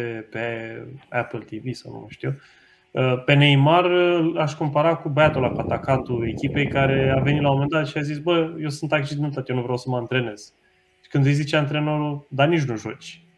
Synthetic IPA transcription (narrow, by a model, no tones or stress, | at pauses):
epeæpəlt̪ivisawnṵm̰ʃt̪io | əpe̞neimaraʃko̞mpaɾakubəjat̪olakat̪akat̪ue̞kʲipe̞jkaɾe̞ave̞nit̪lamo̞mend̪at̪ʃiazisbəje̞wsɨnt̪ak̚t͡ʃid̪ent̪at̪jenuvɾeawsəməɨnt̪ɾe̞ne̞z̥ | ʃi̥kɨnd̪zejzit͡ʃeaɨnt̪ɾe̞noɾud̪anit͡ʃnuʒo̞̰t͡ʃʲ